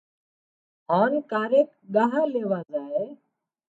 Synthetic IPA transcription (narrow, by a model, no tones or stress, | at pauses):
ɦaːnkaːɾeːk | ɠaːɦaːleːʋaːzaːɦeː